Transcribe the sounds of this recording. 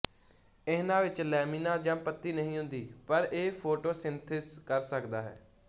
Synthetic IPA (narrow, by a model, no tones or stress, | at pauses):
ɪnãːʋɪt͡ʃlɛːmiːnãːd͡ʒãːpət̪ːiːnəɦĩːɦʊ̃nd̪iːpəɾeːpʰoːʈoːsɪnt̪ʰɪskəɾsəkd̪aːɦɛ̰ː